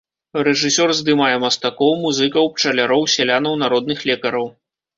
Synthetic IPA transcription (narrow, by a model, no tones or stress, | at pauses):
rɛʐɨsʲɔrzd̪ɨmajɛmɐst̪akɔwmuzɨkɐwp̚t͡ʂɐlʲaɾɔwsʲɛlʲanɐwnaɾɔd̪̚nɨxlʲɛkɐɾɐw